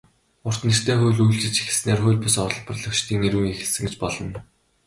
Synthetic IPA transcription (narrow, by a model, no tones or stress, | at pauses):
ʊr̥t̪nir̥t̪ʰeːχʊjɮujɮt͡ɕɪ̆t͡ɕix̆sneːrχʊ̟jɮʲpʊsɔɮpə̆rɮɞ̆kt͡ɕt̪ʰiːŋeɾɣuːŋexɘ̆ɮsɘ̆ŋɡet͡ɕpɔɮɞ̆n